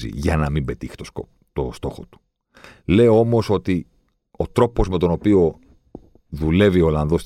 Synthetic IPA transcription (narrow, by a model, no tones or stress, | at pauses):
ḭʝɐnɐmimbe̞t̪ixt̪oso | t̪ost̪o̞xot̪u̥ | le̞o̞mo̞so̞t̪i | o̞t̪ɾo̞po̞zme̞t̪o̞no̞pio̞ | ðule̞vio̞lɐnðo̞s